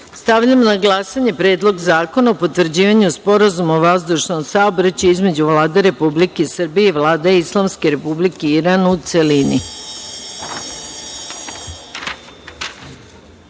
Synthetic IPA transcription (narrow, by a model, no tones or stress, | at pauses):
st̪aʋʎamonaɡlˠasaɲe̞pɾeːd̪lˠo̞ɡzaːko̞naopo̞t̪ʋrd͡ʑiːʋaɲuspo̞ɾazumoʋazd̪uʃno̞msaobɾat͡ɕuizme̞d͡ʑuʋlaːd̪eɾe̞publike̞sr̩bijeiʋlaːd̪eislˠamske̞ɾe̞publikeiɾanut̪se̞lini